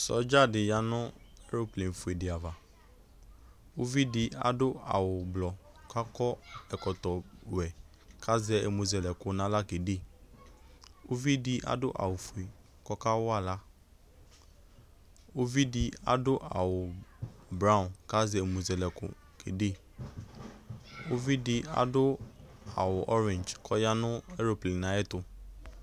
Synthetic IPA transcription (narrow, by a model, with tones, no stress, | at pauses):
sɔ̰˨˦d͡ʒa˦˨dɪ˨ja˦nʊ̃˦ɛ˦ɾo˦plẽ˨fu˨e˨dɪ˨a˨va˨ | o˦vi˦dɪ˨a̰˨dʊ˦a̰˨wʊ˨blɔ˨ | kʰa˦kɔ˦ɛ˨kɔ˨t̪ɔ˨wɛ˨ | kʰa˦zɛ˦ḛ˨mu˨zɛ˨lɛ˨kʊ˨nã˦la˦ke˨de˦˨ | o˦vi˦dɪ˦ʔa̰˨dʊ˦ʔa̰˨wʊ˨fu˨e˨ | kɔ˦ka˦wʊ˦a˨la˦ | o˦vi˦di˨a̰˨dʊ˦ʔa˨wʊ˨bɾa˦ʊ˨nka˦zɛ˨mu˨zɛ˨lɛ˨kʊ̰˨ | kʰḛ˨de˦ | o˦vi˦dɪ˨a̰˨dʊ˦ | a˨wʊ˨ʔɔ˦ɾɛ̃˨nd͡ʒkʰɔ˦ja˦nʊ̃˦ɛ˦ɾo˨pli˨nã˨ɛ˦tʊ˨